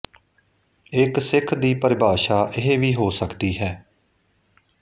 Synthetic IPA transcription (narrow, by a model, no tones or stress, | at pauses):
ɪksɪkʰd̪iːpəɾɪbʱaːʃaːʔɪɦeːʋiːɦoːsəkd̪iːɦɛː